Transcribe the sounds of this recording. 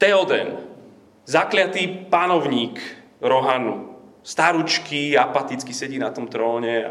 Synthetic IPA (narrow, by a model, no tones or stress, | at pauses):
t̪ɛɔd̪ɛ̰n | zaklɪat̪iːpanɔʊɲiːk | ɾɔɦanṵst̪aɾut͡ʃkiapat̪it͡skisɛɟiːnat̪ɔmt̪ɾɔːɲɛ